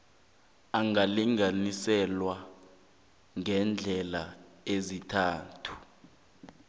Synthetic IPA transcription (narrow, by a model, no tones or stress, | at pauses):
aŋʱaliŋanisɛlwa | ŋɛnd͡ɮʱɛla | ezitʰaːtʰu̥